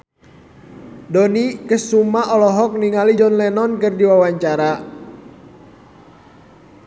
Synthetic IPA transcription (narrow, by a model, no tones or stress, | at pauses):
dɔnikəsumaɔlɔɦɔk̚niŋalid͡ʒɔnlɛnɔnkərdiwawaɲt͡ʃaɾa